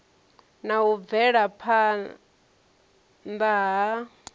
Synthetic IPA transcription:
naɦub̪vɛɺapʰa | ndaɦa

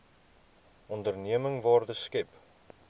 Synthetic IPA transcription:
ʔɔndərniəməŋvɑːrdəskɛp

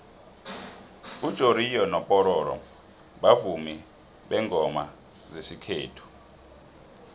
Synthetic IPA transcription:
ud̥ʒ̥ʱoɾijɔnɔpʼɔɾɔːɾɔ̰ | ɓavumi | ɓɛŋʱɔma̰ | zesikʰeːtʰu̥

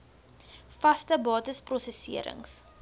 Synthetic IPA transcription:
fɐstəbɑːtəsprɔsəsiəɾə̰ŋs

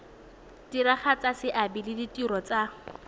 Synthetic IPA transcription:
diɾaχat͡sasɪʔabilɪditʼiɾɔt͡sa

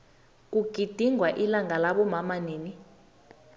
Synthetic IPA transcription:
k̬uɡ̥ʱid̥ʱiŋɡʱwaʔilaŋʱalaɓɔmamaneːni

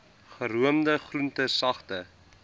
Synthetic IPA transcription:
χəɾuəmdəχruntəsɐχtə

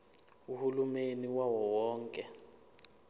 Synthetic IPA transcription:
uhulumeniwawɔwɔːŋkʼɛ

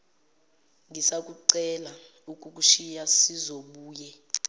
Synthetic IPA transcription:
ŋʱisak̬ʼuǀɛla | ukʼuk̬ʼuʃijasizoɓuːjɛ

